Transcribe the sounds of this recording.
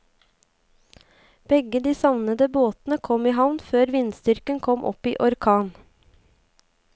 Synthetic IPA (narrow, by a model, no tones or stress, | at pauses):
b̥ɛɡəd̪iːsɑʋnəd̪əboːt̪nəkʰɔmiːɦɑʋnføːɾʋɪnst̪ʏɾkənkʰɔmʔɔ̰piːʔɔɾkʰɑːn